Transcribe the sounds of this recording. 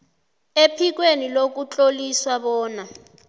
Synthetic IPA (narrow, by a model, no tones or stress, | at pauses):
epʰik̬wenilok̬ut͡ɬʼoliswaɓɔːna